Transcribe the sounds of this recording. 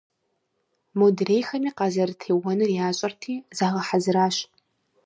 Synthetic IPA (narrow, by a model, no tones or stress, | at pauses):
modreːjxɐmiːqɑːzɐrtʰeːwɔnɨrjaːɕʼɐrtʰiːzaːʁɐħazɨɾaːɕ